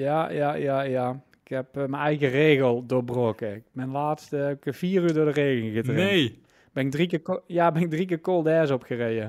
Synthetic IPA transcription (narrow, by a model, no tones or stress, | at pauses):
jajajajaɪkhɛpmənɛjɣəreːɣəlˠdʊːbroːkəɪkmɛjnlaːtstəɛɪkv̥iːryːɹdʊːɹdəreːɣəŋɣətrene | b̥ɪnɪɡ̚drikɪkojabɛnɪɡ̚drikɪkolˠdɛːzɔpxərejə